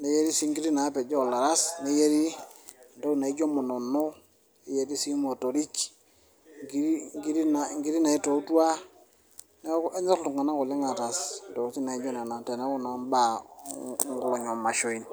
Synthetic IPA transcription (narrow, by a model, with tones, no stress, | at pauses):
ne˨˦je˦ɾi˦si˦ŋɡi˦ɾi˦na˨˦pe˨d͡ʒo˦˨la˨ɾa˦sne˦je˦ɾi˦˨ndo˦na˨i˦d͡ʒo˦mo˨no˨nːo˦ | i˦je˦ɾi˦si˦mo˨to˨ɾi˦k | ŋɡi˦ɾi˦ŋɡi˦ɾi˦na˨ŋɡi˦ɾi˦na˨i˦to˨˦tu˦a˦ | ne˦ke˦ɲa˦tu˨ŋa˨na˦ku˨le˦ŋa˨ta˨sn˨do˨˦ti˦na˨i˦d͡ʒo˦ne˨na˨te˨ne˦ku˦na˨mba˦˨ | ŋɡu˨lo˨ɲo˨ma˨ʃo˨i˦n